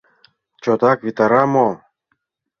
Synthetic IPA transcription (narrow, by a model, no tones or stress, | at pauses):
t͡ɕot̪ɑkβit̪ɑɾɑmo